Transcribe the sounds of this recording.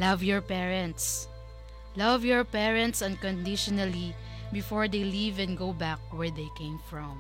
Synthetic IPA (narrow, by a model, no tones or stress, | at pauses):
lʌvjɔɹpɛɹɛ̃nt̪s | lʌvjɔɹpɛɹɛ̃nt̪sɐ̃nkɔ̃nd̪ɪʃɔnali | bɪfɔɹd̪ejlivɛ̃nɡoʊbak̚wɛɹd̪ejkẽɪ̃mfɹɔ̃m